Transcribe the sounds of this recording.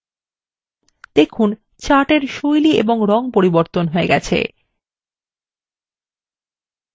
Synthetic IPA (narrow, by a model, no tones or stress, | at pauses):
d̪̥ekʰun | t͡ɕaʈeɾʃojliḛboŋɾɔŋpoɾiboɾt̪onɦoeɡɛ̰t͡ɕʰḛ